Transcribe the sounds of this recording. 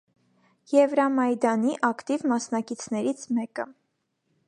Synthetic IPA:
jɛvɾɑmɑjd̪ɑniʔɑkt̪ivmɑsnɑkit͡sʰnɛɾit͡sʰmɛkə

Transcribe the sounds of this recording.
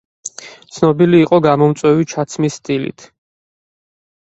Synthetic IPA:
t̪sʰnɔbiliːqʼɔɡamɔmt̪sʼwɛvit͡ʃʰat̪sʰmisːt̪ʼilḭt̪ʰ

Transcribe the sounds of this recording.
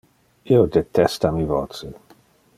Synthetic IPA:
iod̪et̪ɛst̪amivot̪se

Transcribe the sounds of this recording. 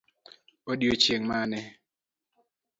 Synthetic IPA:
oɗiot͡ʃjeŋmanɛ

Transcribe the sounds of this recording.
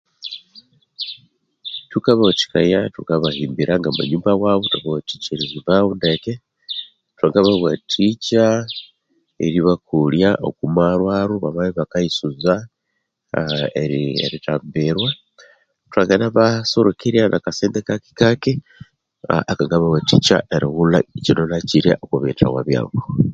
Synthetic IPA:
tukaβaot͡ʃi̥kajatukaβahiːmbiɾʔaŋɡamṵɲuːmbawaβotuaβawoti̥t͡ʃeɾeziβaβundeke | twaŋɡaβaɣwatʰit͡ʃa | ḛɾiβakuljaʔo̰kumaɾwaːɾuβaβaβiβakaisuza | eɾiḛɾitaːmbeɾwa | tuaɡenaβasoɾokiɾjanʔakaseːnd̪ekaki̥kake | akaŋɡaβawatit͡ʃa̰ʔeɾiɣula̰cinonaciɾḛʔokuβeta̰wa̰βja̰ːwo

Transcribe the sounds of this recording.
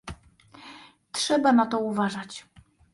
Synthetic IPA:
tʂɛbanat̪ɔuvaʐat͡ɕ

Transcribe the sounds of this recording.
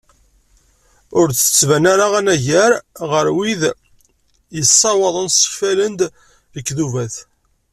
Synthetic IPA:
ʊɾθə̥t͡sːvænaɾaʁænæʝæɾʁəɾwið | jəsˤːɑwɑðˤənsə̥fælənd̪ | ðəkːðuvæθ

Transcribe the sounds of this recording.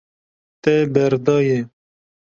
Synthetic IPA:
t̪ɛbɛɾd̪ɑːje

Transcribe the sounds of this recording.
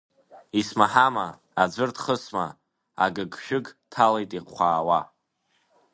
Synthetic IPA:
ismaħama | ad͡zʷɨrtʰχəsma̰ | a̰ɡɨɡʃᶣʊɡtʰalejtʼiqχʷaːwa

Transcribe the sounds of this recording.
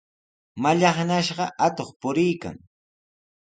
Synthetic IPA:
maʎɑχnaʃɢɑʔat̪oχpʊɾɪjka̰ŋ

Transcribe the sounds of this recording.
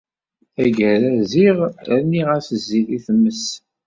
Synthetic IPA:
æɡæɾæziʁænːiʁæsəzːiθiθəmːəs

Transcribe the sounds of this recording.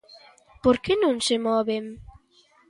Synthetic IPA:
poɾkenõŋsemɔβem

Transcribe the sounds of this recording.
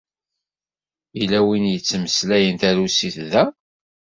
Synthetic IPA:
ilæwinjət͡sːməslæjənt̪æɾusiθðæ

